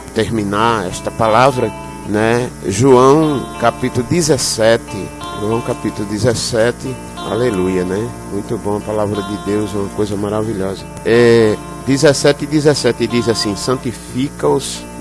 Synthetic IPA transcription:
t̪eɾmĩnaɛ̰ʃt̪ɐpalavɾɐ | nɛʒuɐ̃w̃kapit̪ulʊd̪izɛsɛt̪ɪ̰ | ʒuɐ̃w̃kapit̪ulʊd̪izɛsɛt̪ɪ | a̰lelujɐnɛ | mũj̃t̪ʊbõw̃ɐpalavɾɐd̪ɪd̪ewzũmɐkojzɐmaɾaviʎɔzɐ | ɛ | d̪izɛsɛt̪ɪɪd̪izɛsɛt̪ɪd̪izasĩsɐ̃nt̪ifikɐʊs

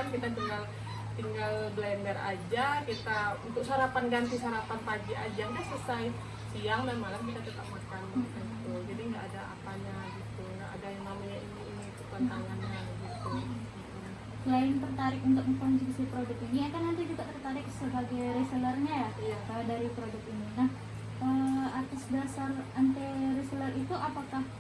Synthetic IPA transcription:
ankit̪at̪iŋɡal | t̪iŋɡalblɛnbɛra̰d͡ʒakit̪aunt̪ʊk̚saɾapanɡant̪isaɾapanpad͡ʒiad͡ʒakit̪asəsaj | siaŋdamalamkit̪at̪ət̪ap̚makanbit̪aɡit̪ud͡ʒadiŋɡaʔːdaa̰paɲaɡit̪unaha̰dajaŋmalajaʔiniːnit͡ʃukat̪aŋanɲaɡit̪u | ina | laɪnt̪ərt̪aɾɪkunt̪ʊk̚məkɔnd͡ʒikəsipɾodʊk̪iniakanːant̪id͡ʒuɡaʔt̪ərt̪aɾɪk̚səbaɡajɾesələrɲajajaədaɾipɾodʊk̪̚ininah | ʔəat̪asbasarant̪ɛresələrit̪uʔapakah

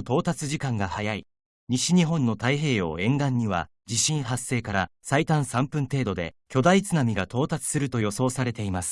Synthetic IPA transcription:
t̪o̞ːt̪at͡sɨʑikãŋɡahajai | ɲ̟iɕiɲ̟iɦõ̞nːo̞t̪aiɦe̞ːo̞̰ːẽ̞ŋɡãɲ̟ːiβa̰ | d͡ʑiɕĩɰ̃ɦasːe̞ːkaɾasait̪ãɰ̃sãmpɯ̟̃nt̪e̞ːd̪o̞d̪ḛkʲo̞d̪ait͡sɨnamʲiɡat̪o̞ːt̪at͡sɨ̥sɨɾɯ̟t̪o̞jo̞so̞ːsaɾe̞t̪e̞imasɨ̥

